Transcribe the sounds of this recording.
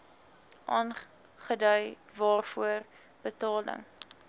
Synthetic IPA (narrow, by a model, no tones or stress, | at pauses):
ʔɑːn | χədœɥ | vɑːrfuər | b̥ətɑːlə̰ŋ